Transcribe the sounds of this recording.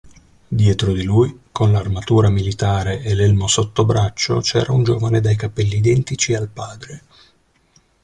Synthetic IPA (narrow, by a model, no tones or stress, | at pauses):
d̪jɛːt̪ɾod̪ilujkʰonlarmat̪uːɾamilit̪aːɾeʔelɛlmosot̪ːobɾat͡ʃːo̰t͡ʃɛːɾʔaund͡ʒoːvaned̪ajkapɛlːiːd̪ɛnt̪it͡ʃialpaːd̪ɾe